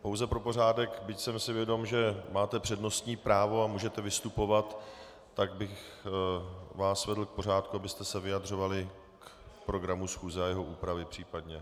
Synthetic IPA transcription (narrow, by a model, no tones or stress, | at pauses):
po̞wzɛpɾo̞po̞raːdɛkbɪcsɛmsɪvjɛdo̞mʒɛmaːt̪ɛpr̝̥ɛdno̞st̪ɲiːpɾaːvo̞amuːʒɛt̪ɛvɪst̪upo̞vat̪ː | aɡ̚bɪx | vaːsvɛdl̩k̚po̞r̝aːt̪̚kuabɪst̪ɛsɛvɪjad̪r̝o̞valɪ | kpɾo̞ɡɾamusxuːzɛajɛɦo̞ʔuːpɾavɪpr̝̥iːpadɲɛ